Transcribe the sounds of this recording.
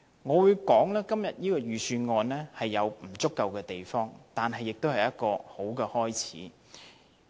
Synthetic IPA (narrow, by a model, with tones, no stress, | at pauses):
ŋɔː˨˧wuː˨˧jkɔː˨˥ŋlɛː˥kɐ˥mjɐ˨t̚jiː˥kɔː˧ɥyː˨syː˧nŋɔː˧nlɛː˥hɐ˨jːɐ˨˧wm̩˨˩t͡sʊ˥kːɐ˨˧wkɛː˧t̪e˨jfɔː˥ŋt̪aː˨nɦɐ˨jːɪ˨k̚t̪o˥whɐ˨jɐ˥t̚kɔː˧ho˨˥wkɛː˧hɔː˥jt͡sʰiː˨˥